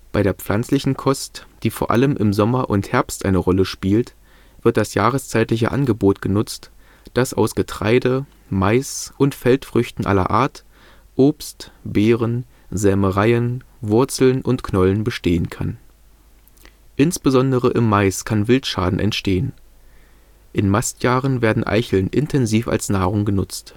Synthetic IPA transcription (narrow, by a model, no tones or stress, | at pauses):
b̥aɪɾeːɐp͡flant͡slɪçn̩kʰɔstd̥iːfoːɐʔa̰ləmʔɪmzɔmɐʔʊnthɛɐpstʔa̰ɪnəʁɔləʃpiːlt | v̥ɪɐt̚d̥asjaːʁ̞əst͡saɪtlɪç̬ə̰ʔa̰nɡəboːtɡ̥ənʊt͡st | d̥asa̰ʊsɡ̥ətʁ̥a̰ɪdə | maɪsʔʊntfɛltfʁ̥ʏçtn̩ʔa̰lɐ̰ʔa̰ːɐt | ʔoːpstbeːʁən | zɛməʁaɪən | vʊɐt͡sl̩nʔʊntkʰnɔlənbəʃteːənkʰa̰n | ʔɪnsb̥əzɔndəʁəʔɪmːaɪskʰanvɪltʃaːdn̩ʔɛ̰ntʃteːən | ʔɪnmastjaːʁənveːɐdn̩ʔa̰ɪçl̩nʔɪntʰɛnziːfa̰lsnaːʁʊŋɡənʊt͡st